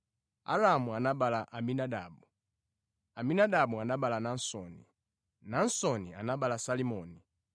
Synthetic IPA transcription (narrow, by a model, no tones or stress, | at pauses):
a̰ɾamuanaɓalaʔaminadabu | aminadabuanabalanan̩sɔnḭ | nan̩sɔnḭa̰nabalasalimɔni